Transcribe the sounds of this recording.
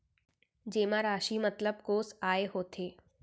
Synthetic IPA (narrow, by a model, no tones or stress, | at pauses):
d͡ʑeːmãɾaːʃimɐt̪ləb̚koːsaːeɦoːt̪ʰeː